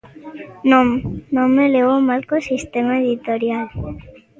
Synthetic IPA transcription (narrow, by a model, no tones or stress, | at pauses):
nomnomeleβomalkosist̪emaeðit̪oɾjal